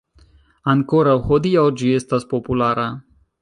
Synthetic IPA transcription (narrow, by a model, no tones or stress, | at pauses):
aŋkoɾawhod̪iawd͡ʒiest̪aspopulaɾa